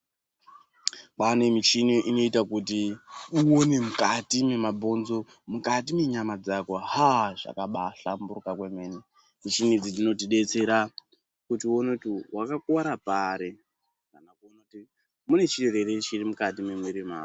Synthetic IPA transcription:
ɓanemit͡ʃiniʔino̞itakutiuone̞mukatime̞mabʱo̞nzo̞ | mukatime̞ɲamad͡zakohaʐa̰kaɓaɬamburukakwe̞me̞ne | mit͡ʃinid͡zid͡zino̞tiɗe̞t͡se̞ɾa | kutiuonekutiwakakuwaɾapaɾe̞ | kanakuonakuti | mune̞t͡ʃireɾeɾet͡ʃirimukatimemweɾima̰ː

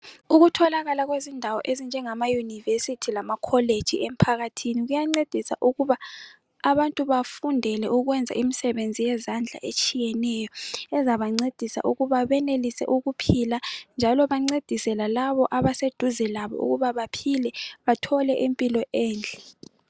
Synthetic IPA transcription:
uɣutʰɔlaɣalaɣwezindʱawɔʔezind͡ʒʱɛŋamajunivesitʰilamakʰɔled̥ʒ̥ʱiɛm̩pʰaɣatʰiniɣujaŋ͡ǀed̥ʱisa̰ʔuɣuβaː | βantʼuβafundʱɛlɛʔuɣwɛnd͡zʱa̰ʔimisɛβend͡zʱijɛzand͡ɮʱa̰ʔet͡ʃʼijɛnɛjɔɛzaβaŋ͡ǀed̥ʱisa̰ʔuɣuβaβɛnelisɛ̰ʔuɣupʰiland͡ʒʱalɔβaŋ͡ǀed̥ʱisɛlalaβɔʔaβased̥ʱuzɛlaβɔ̰ṵɣuβaβapʰilɛβatʰɔlɛʔimpʼilɔʔɛːnd͡ɮʱɛ

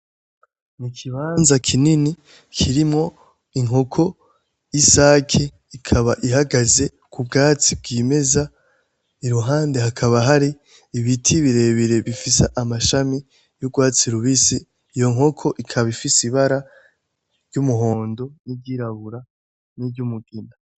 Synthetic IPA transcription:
nikʰiβaːnzakʰinini | kʰiɾimŋo̞ | iŋɦo̞kʰo̞ | isaːkʰe | ikʰaβaʔiɦaɡaze̞ | kʰub̚ɡaːt͡sib̚ɡiːme̞za | iɾuɦaːnde̞ɦakʰaβaɦaɾiː | βitʰiβiɾe̞βiɾe̞βifiseʔamaʃami | juɡwaːt͡siɾuβisiː | jo̞ŋɦo̞kʰo̞ʔikʰaβaifisiβaɾa | ɾɟumuɦo̞ːndo̞niɟiɾaβuɾa | niɟumuɡ̥ina

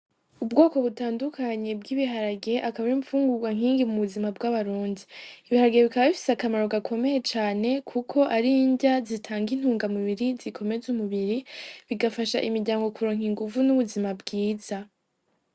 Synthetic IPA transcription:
ubɡo̞ːko̞βutaːndukʰaɲe̞b̚ɡiːβiɦaɾaɡe̞ʔakaβaiɱfuːŋɡuɡwaŋiːŋɡimuβuzimab̚ɡaβaɾuːndiːβihaɾaɡeβikaβaβifi̥seakamaɾo̞ɡakʰo̞me̞je̞t͡ʃaːne̞kʰukʰo̞ʔaɾiɲɟazitʰaːŋɡin̥huːŋɡamuβiɾizikʰo̞me̞zumuβiɾiβiɡafaʃaʔimiɾɟaːŋɡo̞kuɾoːŋ̥iŋɡuvunuβuzimabɡiːza

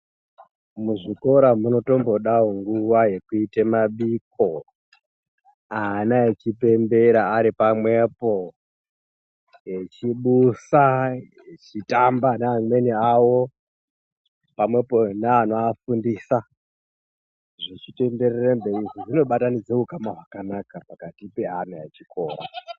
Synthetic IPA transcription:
muʐiko̞ɾamuno̞to̞mbo̞ɗaoŋɡuʋaje̞kuitemaɓik̚o̞ | aːnaet͡ʃipe̞mbe̞ɾaːɾipamwe̞po̞ | jet͡ʃiɓusajet͡ʃitambaneːɲmwe̞niawo̞ | pamwe̞poneanoafundisa | ʐit͡ʃite̞mbe̞rerembeiʐiʐino̞ɓatanid͡ze̞ukamaɦwakanakapakatipeanajet͡ʃikʰo̞ːɾa̰

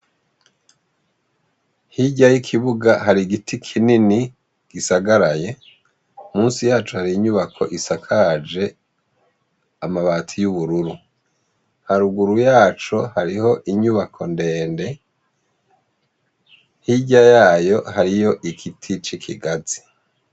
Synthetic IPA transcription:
hiɟajikʰiβuɡaɦaɾiɡitʰikʰinini | ɡ̥isaɡaɾaje̞ | umuːnsijaːt͡ʃuhaɾiːɲuβakʰo̞̰ʔisakʰad͡ʒe̞ | amaβaːtʰijuβuɾuɾu | haɾuɡuɾujaːt͡ʃohaɾiho̞ʔiɲuβakʰo̞nde̞ːnde̞ | hiɟajaːjo̞haɾijo̞ʔikʰitʰit͡ʃikʰḭɡazi̥

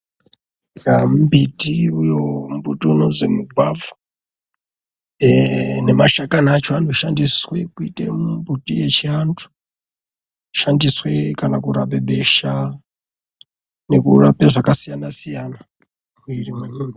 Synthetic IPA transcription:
jam̩bitʼiujombutiunozemuɡʱwavɔ̥ | nɛmaʃakʼanaat͡ʃʰɔantʰuʃandiswɛkuitʼembutʼijet͡ʃʰiantʰu̥ | ʃandiswɛkanakuɾa̰ɓɛɓɛʃa | nekuɾapɛʐakasijanasijana | iɾimwemiːndi

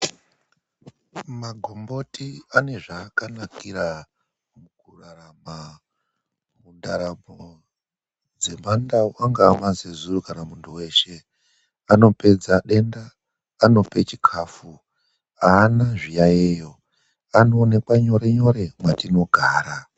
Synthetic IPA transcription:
maɡʱo̞mbo̞tiane̞ʐaːkanakiɾa | mukurarama | mundaɾamo | d͡ze̞mandawaŋɡaːmazezurukanamuntʰuwe̞ːʃe̞ | ano̞pe̞d͡zaɗe̞ndaː | no̞pet͡ʃi̥kʰaːfu | aːnaʐijajejo̞ | ano̞ːnekwaɲo̞ɾeɲo̞ɾe̞mwatino̞ɡʱaːɾa

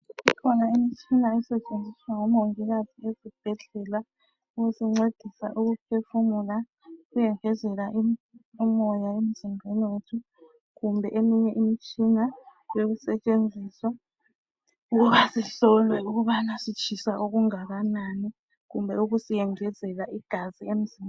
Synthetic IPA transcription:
ikʰɔnaimit͡ʃʼinaɛsɛt͡ʃʼend͡zʱiswaŋɔmoŋɛɣaziezib̥ʱɛɮɛla | uɣusiŋ͡ǀed̥ʱisa̰ʔuɣup̚ʰefumula | ɣujɛŋɛzɛlaʔimɔjaemiz̥imʱeniwetʰu | ɣumbʱɛʔemiɲɛʔimit͡ʃʼinajoɣusɛt͡ʃʼend͡zʱiswa | uɣuβasiɬɔlwɛuɣuβanasit͡ʃʰisaʔoɣuŋaɣanani | ɣumbʱɛuɣusijɛŋɛzɛlaʔiɡ̥ʱaziem̩zim

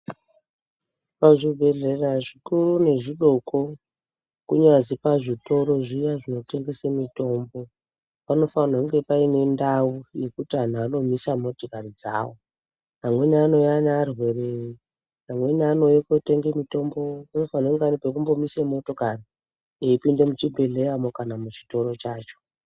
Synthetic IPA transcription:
paʐibʱe̞ɮe̞raʐikurune̞ʐiɗo̞ko | kuɲazipaʐito̞ɾo̞ʐijaʐino̞te̞ŋɡe̞semito̞ːmbo̞ | pano̞fanakuŋɡe̞paine̞ndauje̞kutian̤ano̞misamo̞tokarid͡za̰ːwo | ɦamwe̞niano̞janːrwe̞re | ɦamwe̞niano̞jekote̞ŋɡemito̞mbo̞ano̞fanakuŋɡeanipek̬umbo̞misemo̞to̞kari | eipinde̞mut͡ʃibʱe̞le̞jamo̞kanamut͡ʃi̥to̞ɾo̞t͡ʃaːt͡ʃo̥

